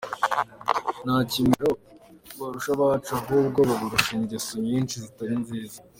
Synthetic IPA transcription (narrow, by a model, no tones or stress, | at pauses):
naːcimiɾo̞ | βaɾuʃaβaːt͡ʃubɡuːb̚ɡo̞βaβuɾuʃiːɲɟesoɲiːnʃizitaɾinziːza